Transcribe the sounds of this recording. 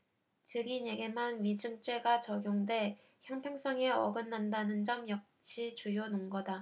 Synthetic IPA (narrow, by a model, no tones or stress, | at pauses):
t͡ɕɯɡiɲe̞ɡe̞manɥid͡ʑɯŋt͡ɕ͈we̞ɡat͡ɕʌɡjoŋde̞ | çjaŋpʰeŋs͈ʌŋe̞ʌ̰ɡɯnːandanɯnd͡ʑʌmjʌk̚ɕ͈it͡ɕujonoŋɡʌda